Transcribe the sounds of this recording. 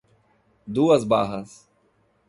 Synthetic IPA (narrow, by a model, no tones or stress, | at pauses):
d̪uːɐzbaːɦɐs